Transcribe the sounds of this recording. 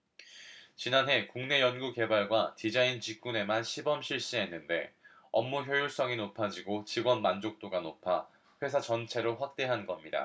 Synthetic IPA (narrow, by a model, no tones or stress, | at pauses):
t͡ɕinanɦe̞kuŋne̞jʌnɡuke̞baɭɡwatid͡ʑaint͡ɕik͈une̞manɕʰibʌmɕʰiɭɕ͈iɦe̞nːɯnde̞ | ʌmːuçjʌjuɭs͈ʌŋinopʰad͡ʑiɡot͡ɕiɡwʌnmand͡ʑok̚t͈oɡanopʰa | ɸwe̞sʰat͡ɕʌnt͡ɕʰe̞ɾoɸwak̚t͈e̞ɦanɡʌmɲida̰